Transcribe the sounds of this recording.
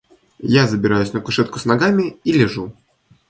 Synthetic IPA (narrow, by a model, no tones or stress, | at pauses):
jazəbʲɪɾajʊsʲnəkʊʂɛt̪kʊ̥snɐɡamʲɪilʲɪʐu